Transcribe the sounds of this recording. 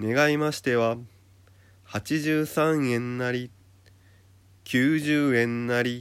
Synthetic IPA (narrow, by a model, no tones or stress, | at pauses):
ne̞ɡaimaɕi̥t̪e̞βa | hat͡ɕiʑɨːsãɰ̃ẽ̞nːaɾʲi | kʲʰɨːʑɨːẽ̞nːaɾʲi